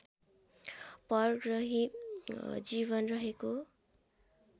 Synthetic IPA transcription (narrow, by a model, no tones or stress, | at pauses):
pʌrɡrʌɦi | d͡ziβʌnrʌɦeko